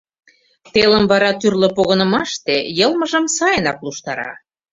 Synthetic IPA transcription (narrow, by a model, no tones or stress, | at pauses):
t̪eləmvɑɾɑt̪yrlə̆poɣənə̆mɑʃt̪ejɤlˠməʒə̆msɑjənɑkluʃt̪ɑɾɑ̰